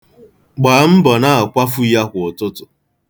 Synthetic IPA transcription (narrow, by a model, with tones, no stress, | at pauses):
ɡ͡baː˨˦m̩˦bɔ˨na˦a˨kʷa˦fʊ˦i˦ja˦ɦʷʊ˨ʊ˨tʊ˦tʊ˨